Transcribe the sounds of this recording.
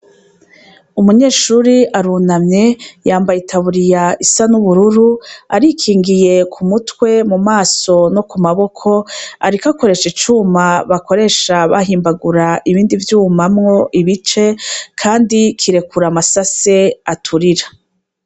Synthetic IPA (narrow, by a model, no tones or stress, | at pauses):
umuɲe̞ːʃuːɾiʔaɾuːnamɲe̞jaːmbajitʰaβuɾijaʔisanuβuɾuɾuaɾikʰiːŋɡije̞kʰumutwe̞mumaːso̞no̞kumaβo̞kʰo̞aɾikako̞ɾe̞ʃit͡ʃumaβako̞ɾe̞ːʃaβa̰ɦiːmbaɡuɾaʔiβiːndivjuːmamŋo̞ʔiβit͡ʃe̞kʰaːndikʰiɾe̞kʰuɾamasase̞atʰuɾiɾa